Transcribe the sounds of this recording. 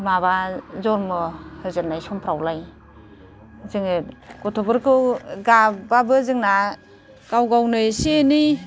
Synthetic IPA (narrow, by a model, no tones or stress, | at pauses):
mabazɔɾmɯhɯzɯnajsɔmpʰɾawlaj | zɯŋɯkɔtʰɔbɯɾkʰɯwɡababɯzɯŋna | ɡ̥awɡawnɯjsieni